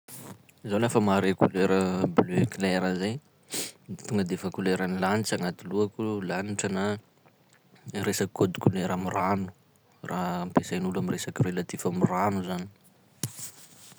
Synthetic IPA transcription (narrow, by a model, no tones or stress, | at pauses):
zawlafəmaɾekuleɾəbløklɛɾəzej | t̪uŋɡəd̪efakuleɾanilanit͡saŋat̪iluakulaniʈ͡ʂəna | resakkʰːod̪i̥kʲuleɾamiranu̥ | rʔampesajnulamiresakirelat̪ivamiranuzani̥